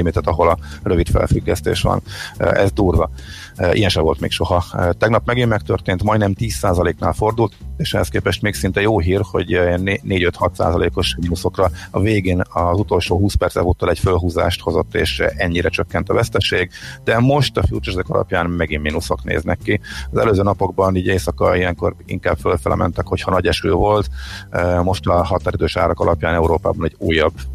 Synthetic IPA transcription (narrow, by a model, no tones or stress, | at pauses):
imiːt̪ɛt̪ɒɦo̞lɒrø̞vit̪fɛ̰lfyɡːɛst̪ḛːʃʋɒ̰nɛzd̪uːrvɒ | ḭjɛnʃɛvo̞lt̪mḛːkʃo̞ɦɒt̪ɛɡnɒpmɛɡimːɛkt̪ørt̪eːnt̪mɒjnɛmt̪iːsaːzɒleːkna̰ːlfo̞rd̪ult̪eːʃɛɦɛskeːpɛʃt̪meːksint̪ɛjoːɦiːrho̞̰ɟneneːɟøt̪hɒt̪sa̰ːzɒlḛːko̞ʃminuso̞krɒɒveːɡeːnɒzut̪o̞lʃoːɦuːspɛrt̪sɛ̰vuːt̪ːɒlɛcfølɦuːza̰ːʃt̪ho̞zo̞̰t̪ːḛːʃɛɲːiɾɛt͡ʃøkːɛnt̪ɒvɛst̪ɛʃeːɡd̪ɛmo̞ʃt̪ɒfṵːt͡ʃɛʃɛkɒlʔɒ̰pjaːnmɛɡimmiːnuso̞knḛːznɛkːiɒzɛ̰løːzøːnɒpo̞ɡ̚bɒniːɟeːsɒkɒ̰ijɛŋko̞̰rḭŋkaːbfølfɛlʔɛ̰mɛ̰nt̪ɛkho̞chɒnɒɟɛʃø̰ːvo̞lt̪ømo̞ʃt̪ɒɦɒt̪aːɾid̪øːʃa̰ːɾɒkɒlɒpjaːnɛuɾoːpa̰ːbɒnɛɟuːjɒbː